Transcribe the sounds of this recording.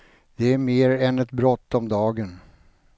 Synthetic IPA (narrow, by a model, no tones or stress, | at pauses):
d̪̥ɛæɾmeːɾɛnɛt̪bɾɔt̪ːɔmd̪ɑːɡən